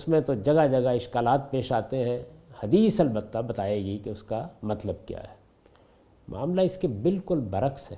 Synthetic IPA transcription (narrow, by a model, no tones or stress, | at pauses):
ʊsmẽt̪od͡ʒɐɡad͡ʒɐɡaɪʃkaːlaːt̪̚peːʃaːt̪eɦɛ̃hɐd̪iːsɐlbət̪ːabɐt̪aːeːɡikeʊskamɐt̪ləb̚kja̰ːɦɛː | mʔa̰ːmlaɪskebɪlkʊlbɐɾəxsɦɛ̰ː